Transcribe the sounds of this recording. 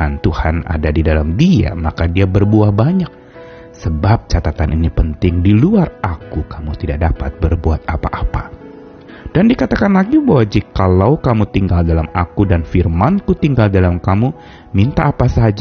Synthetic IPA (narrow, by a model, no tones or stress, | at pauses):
ant̪uhana̰dadidalamdia̰makadiabərbuahbaɲak̚ | səbap̚t͡ʃat̪at̪anʔinipənt̪ɪŋdiluarakukamut̪idaʔ̚dapat̪̚bərbuat̪apaʔapa | d̥andikat̪akanlaɡibawad͡ʒikalawkamut̪iŋɡaldalama̰kudanfirmankut̪iŋɡaldalamkamu | mint̪aʔːpasad͡ʒ